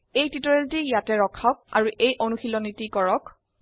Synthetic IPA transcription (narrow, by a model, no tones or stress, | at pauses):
ejtitɔɹeltijatɛɹɔkʰak̚a̰ɹuʔejʔonuxilɔnitikɔɹɔk